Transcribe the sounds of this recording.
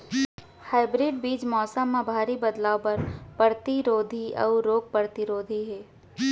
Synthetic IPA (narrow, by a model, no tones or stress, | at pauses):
haːɪbɾɪːɖbiːd͡ʒmɔːsəmːãbʱaːɾibɐd̪laːopɐɾpəɾt̪iɾoːd̪ʱiʔɔ̰ːɾoːɡ̚pəɾt̪iɾoːd̪ʱiɦɛː